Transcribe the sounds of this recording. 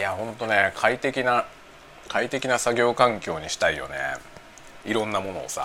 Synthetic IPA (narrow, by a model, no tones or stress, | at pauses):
iahõ̞nt̪o̞ne̞kʰait̪e̞kʲina | kʰait̪e̞kʲinasaɡʲo̞ːkãŋkʲo̞ːɲ̟iɕi̥t̪aijo̞̰nḛ | iɾõ̞nːamo̞no̞̰ːsa̰